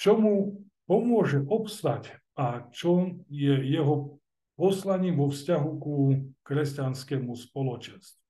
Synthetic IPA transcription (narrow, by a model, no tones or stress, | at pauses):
t͡ʃɔmu | pɔmʊɔʒɛʔɔpst̪ac | at͡ʃɔjɛjɛɦɔ | pɔslaɲiːʋɔfscaɦukukɾɛscanskɛmuspɔlɔt͡ʃɛnst̪u